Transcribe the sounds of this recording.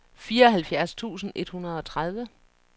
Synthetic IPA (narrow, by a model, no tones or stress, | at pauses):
fiːɐɒ̽ɦælfjæɐst͡sʰṵːsn̩ʔe̝d̥hunɐð̞̩ˠɒ̽t͡sʰʁað̞ˠʋə